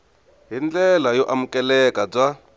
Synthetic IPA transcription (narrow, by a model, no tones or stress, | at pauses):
ɦind͡ɮɛlajɔʔamukɛlɛkab͡ʐa